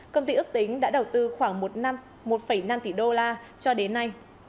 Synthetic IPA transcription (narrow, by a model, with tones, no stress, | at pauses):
kə˧wŋ͡mt̪i˧ʔɨ˦˥k̚t̪ï˨˦ŋ̟ɗa̰ː˧˥ɗə˨˩wt̪ɨ˧xwaː˧˩ŋmo˨˩t̚na˧m | mo˨˩t̚fə˧˩jna˧mt̪i˧˩ɗo˧laː˧ | t͡ɕɔ˧ɗe˨˦nːa˧j